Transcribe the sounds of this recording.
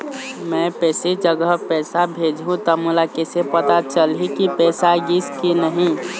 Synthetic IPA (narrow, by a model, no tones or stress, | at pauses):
mɛ̃pɛːsed͡ʒəɡəpɛːsabʱeːd͡ʒɦũt̪ɔmʊlakesepət̪at͡ʃəlɦikipɛːsaɡiskinəɦĩ